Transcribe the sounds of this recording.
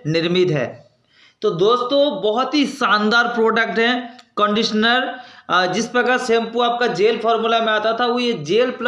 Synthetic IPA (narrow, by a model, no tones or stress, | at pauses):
nɪɾmɪt̪ɦɛ̰ː | t̪od̪oːst̪õbɔɦʊt̪ɦiʃaːnd̪aːɾpɾoːɖək̚ʈɦɛ̃kə̃ɳɖɪʃənəɾd͡ʒɪspɾɐkəsẽːmpuaːp̚kad͡ʒeːlpʰɔːɾmulamẽaːt̪at̪ʰaʊjed͡ʒeːlpl